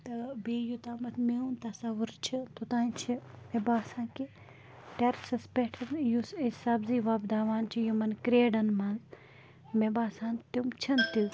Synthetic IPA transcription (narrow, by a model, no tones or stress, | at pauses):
t̪ɐbeːjut̪aːmɐt̪ʰmeũnt̪ɐsɐʋuɾt͡ʃʰit̪ut̪ãːnt͡ʃʰimebaːsãːnki | ʈeɾsɐspeʈʰɐnjusisɐbziʋɐbd̪aːʋaːnt͡ʃʰijumɐnkɾeːɖɐnmɐnz | mebaːsaːnt̪imt͡ʃʰɐnt̪i